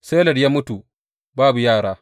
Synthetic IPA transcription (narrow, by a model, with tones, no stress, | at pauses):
se˦lɐ˨ɽjaː˦mʊ˦tu˨ | baː˦bu˨jaː˦˨ɽaː˦